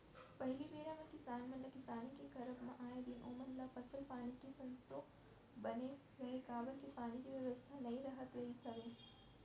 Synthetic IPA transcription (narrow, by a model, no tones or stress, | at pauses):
pɐɦɪlibeːɾãmẽkɪsaːnmẽnəkɪsaːnikekɐɾəbmã̰ʔaːẽd̪iːnʔoːməɾlapɐsəlpaːnikisɐ̃nst̪o | bɐne | ɡɐɦekaːbəlkipaːnikiʋjɐʋəst̪ʰanɐɦĩɾɐɦət̪ɾɐɦisɐʋẽː